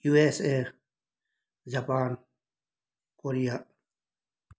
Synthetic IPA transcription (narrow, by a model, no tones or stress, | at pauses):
juːese | d͡ʒapaːn | koɾija